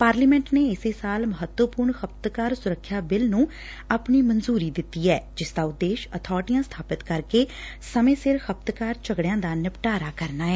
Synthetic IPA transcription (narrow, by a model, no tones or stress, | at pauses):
paːɾliːmɛ̃ɳʈneːɪseːsaːlməɦət̪wəpʊɾɳxəp̚t̪kaːɾsʊɾəkʰːjaːbɪlnũː | aːpɳiːmənzuːɾiːd̪ɪt̪ːiːɛːd͡ʒɪsd̪aːʊd̪ːeːʃət̪ʰɔːɾʈijãːst̪ʰaːpɪt̪kəɾkeː | səmẽːsɪɾxəp̚t̪kaːɾt͡ʃəɡɽɪjãːd̪aːnɪpʈaːɾaːkəɾnaːɛː